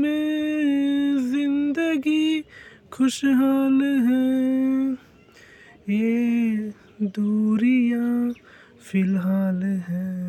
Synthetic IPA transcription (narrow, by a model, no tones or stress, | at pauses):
me | zɪ̃nd̪əɡi | kʰʊʃɦaːlɦɛ | je | d̪uːɾija | fʰɪlɦaːlɦɛː